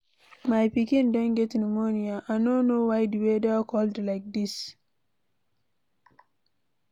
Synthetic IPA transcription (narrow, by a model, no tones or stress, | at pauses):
maɪpikĩndɔ̃nɡɛtĩnmoniaʔanõnowajduwedeakɔldlaɪk̚dis